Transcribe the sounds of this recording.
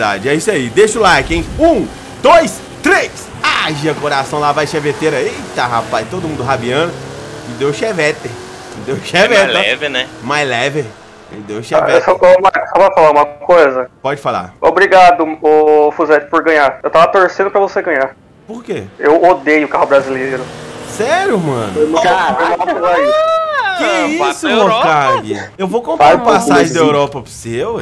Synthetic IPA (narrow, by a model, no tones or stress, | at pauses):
d̪a̰d͡ʒɪɛisaid̪eʃʊlakẽj̃ũ | d̪̥ojs | t̪ɾejs | aʒɐkoɾasɐ̃w̃lavajʃevet̪eɾɐit̪aɦapajst̪od̪ʊmũnd̪ʊɦabiɐ̃nʊ | ɪd̪ewʃevɛt̪e | ɪd̪ewʃevɛɛɛvenɛmajzlɛve | ɪ̰d̪ewʃeɛesɔmaɾksɔpɐfalaɾũmɐkojzɐpɔd͡ʒɪfala̰o̰bɾiɡad̪ʊofuzɛt͡ʃ̪ɪ̥poɾɡɐ̃ɲaɾewt̪avɐt̪oɾsẽd̪ʊpɾɐvoseɡɐ̃ɲaɾ | poɾkeewod̪ejʊkahʊbɾazileɾʊsɛɾjʊmɐ̰̃nʊojmɐ̃tafojmãɐozaikɪɛisʊokkaɡewvokõpãpasaʒɪ̃d̪ɐewɾɔpɐpsew